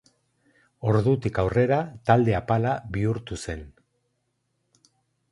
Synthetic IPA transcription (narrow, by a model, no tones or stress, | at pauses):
o̞ɾðut̪ikawre̞ɾat̪ald̪e̞apalaβiuɾt̪use̞n